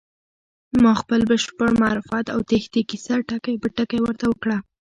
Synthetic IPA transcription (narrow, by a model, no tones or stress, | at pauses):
mɑxpəlbəʃpəɽmaɾufat̪awt̪axt̪ikisaʈakajbəʈakajwəɾt̪awəkɽa